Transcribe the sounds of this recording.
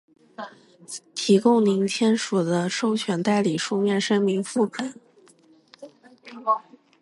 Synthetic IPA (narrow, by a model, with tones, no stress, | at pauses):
t̪ʰi˧˥kʊ˥˧ŋli˧˥ŋt͡ɕʰjɛ˥nʂu˨˩d̪ə˦ʂo˥˧ʊt͡ɕʰɥɛ˨˩˥nt̪a˥˩ɪli˨˩ʂu˥˧mjɛ˥˩nʂɤ˥ŋmi˧˥ŋfu˥˩pʰə˨˩˦n